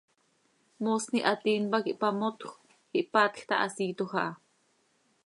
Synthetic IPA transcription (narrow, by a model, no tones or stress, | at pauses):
moːsniʔat̪iːnpakiʔpamot̪xʷ | xiʔpat̪xt̪ɑʔɑsiːt̪oxɑʔ